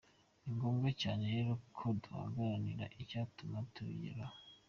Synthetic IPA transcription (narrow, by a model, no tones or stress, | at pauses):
iŋɡoːmɡecaːnejeɾokʰoduha̰ɡaɾaniɾaʔicaːtumatuḭɾa